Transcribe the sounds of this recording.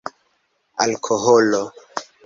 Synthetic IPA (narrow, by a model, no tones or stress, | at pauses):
a̰lkʰoɦolo